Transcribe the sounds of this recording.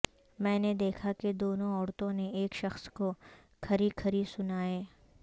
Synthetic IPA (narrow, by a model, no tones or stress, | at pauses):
mɛ̃ːned̪eːkʰaked̪oːnõɔːɾt̪õneeːkʃɐxsko | kʰɐɾikʰɐɾisʊnaːeː